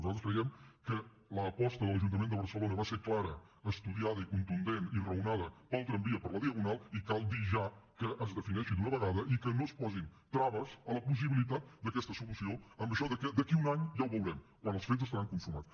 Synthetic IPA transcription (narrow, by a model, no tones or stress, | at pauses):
nuzalˠt̪ɾəskɾəjɛmkə | ləːpɔst̪əðələʒunt̪əmend̪əβəɾsəlonəβaseɾklaɾə | əst̪uðiaðəikunt̪und̪enirəunaðəpəlˠt̪ɾəmbiəpəɾləðiəɣunalˠikalˠd̪iʒakəʔəzðəfinɛʃid̪unəβəɣaðəʔikənospɔzint̪ɾaβəzələpus̬iβilit̪̬at̪̚d̪əkɛst̪əsulusioəmbəʃɔðəkɛd̪əkiunaɲʒawβulˠɾɛmkwanəlˠsfezəst̪əɾaŋkuɱfuɾmat͡s